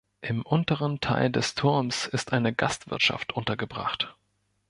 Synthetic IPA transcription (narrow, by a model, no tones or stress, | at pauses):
ʔɪmʔʊntəʁ̞əntʰa̰ɪldɛstʰʊɐmsɪstʔaɪnəɡastv̥ɪ̰ɐtʃa̰ftʔʊntɐɡəbʁa̰χt